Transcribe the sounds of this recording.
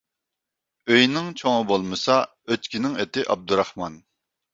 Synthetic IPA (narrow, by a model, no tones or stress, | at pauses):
øjnɪŋt͡ʃʰoŋɨbolˠmɨsɑ | øt̪kʲinɪŋet̪ɪʔɑb̚d̪uɾɑhmɑn